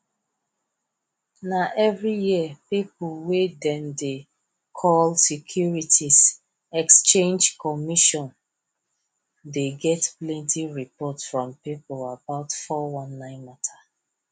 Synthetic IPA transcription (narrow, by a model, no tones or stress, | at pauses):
naʔɛvɹijiəpipwedɛ̃nde | kʰɔlsikʰjuɹitʰis | ɛkst͡ʃẽnd͡ʒkɔmiʃɔ̃n | deɡɛtplɛ̃ntiɹipɔtsfɹɔ̃mpiplabaʊtfɔwãnːãɪ̃nmatʰa